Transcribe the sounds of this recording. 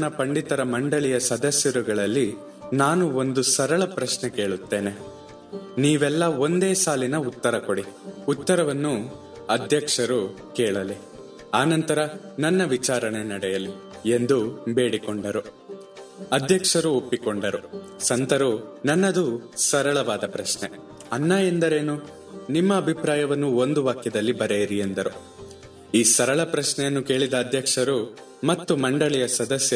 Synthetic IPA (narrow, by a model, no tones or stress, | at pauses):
nɐpɐɳɖit̪ɐɾɐmɐɳɖɐɭijɐsɐd̪ɐsjɐɾuɡɐɭɐlːi | naːnuo̞nd̪usɐɾɐɭɐpɾɐʃnɛke̞ːɭut̪ːe̞ːne̞ | niːʋɛlːɐo̞nd̪e̞ːsaːlinɐut̪ːɐɾɐkoɽiut̪ːɐɾɐʋɐnːu | ɐd̪ʱjɐkʂɐɾu | kɛːɭɐli | aːnɐnt̪ɐɾɐ | nɐnːɐʋit͡ʃaːɾɐɳenɐɽɛjɐli | e̞nd̪ube̞ːɽikoɳɖɐɾu | ɐd̪ʱjɐkʂɐɾuopːikoɳɖɐɾu | sɐnt̪ɐɾunɐnːɐd̪usɐɾɐɭɐʋaːd̪ɐpɾɐʂɳe | ɐnːaːjend̪ɐɾeːnu | nimːɐːbʱipɾaːjɐʋɐnːuo̞nd̪uʋaːkjɐd̪ɐlːibɐɾejiɾiend̪ɐɾu | iːsɐɾɐɭɐpɾɐʂɳɛjɐnːuke̞ːɭid̪ɐːd̪ʱjɐkʂɐɾu | mɐt̪ːumɐɳɖɐɭɛjɐsɐd̪ɐsjɐ